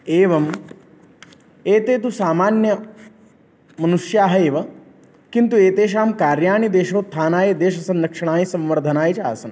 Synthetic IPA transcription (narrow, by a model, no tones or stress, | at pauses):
eːʋɐm | eːt̪eːt̪̬usaːmaːnjɐ | mɐnuʂjaːɦɐeːʋɐ | kint̪ueːt̪eːʃ̬aːmkaːɾjaːɳid̪eːʃoːt̪ʰːaːnaːjed̪eːʃɐsɐnɾɐkʂɐɳ̃aːjisɐ̃mʋɐɾd̪ʱɐnaːjt͡ʃaːsɐn